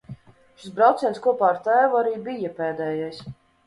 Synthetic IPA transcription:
ʃisbɾawt̪sʲɛːnskuɔpaːɾt̪æːvuaɾiːbijapɛːd̪ɛːjajs

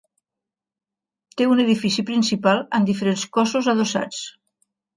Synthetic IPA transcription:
t̪euneðifisipɾinsipalˠənd̪ifəɾenskɔsuzəðosa̰t͡s

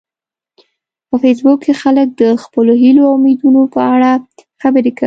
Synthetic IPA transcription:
pəfes̬bʊkːexalək̚d̪əxpəloɦiloawmed̪unopəaɽaxabəɾeka

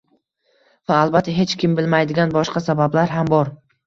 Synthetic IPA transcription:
vaːlˠbat̪ʰːaɦe̞t͡ʃkʲɪmbɪlmajd̪ɪɡʲanbɒʃqɑsabablaɾɦambɒɾ

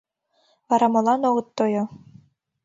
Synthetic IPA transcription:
ɑɾɑmɤ̆lˠɑnoʁɤ̆t̪ːojo

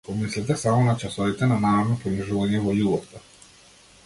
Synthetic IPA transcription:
pɔmislɛt̪ɛsamɔnat͡ʃasɔvit̪ɛnanamɛvnɔpɾɔniʒuvaɲɛvɔjubɔt̪ɔ

